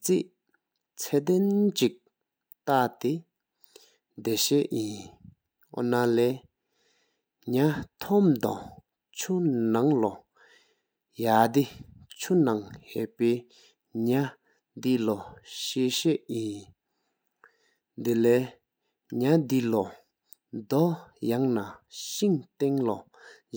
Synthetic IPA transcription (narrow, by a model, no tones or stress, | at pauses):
t͡siʔ | t͡sʰɛd̪ent͡ɕik̚ | t̪at̪e | d̪eɕɛʔjin | ɔ̰nalɛː | ɲat̪ʰɔmd̪ɑ̰ | t͡ɕʰunaŋlɔ | jad̪it͡ɕʰunaŋhɛ̰ʔpeː | ɲa | d̪ilɔɕeːɕeʔjin | d̪elɛː | ɲad̪ilɔ | d̪ɔjaŋnaɕiŋt̪eŋlɔ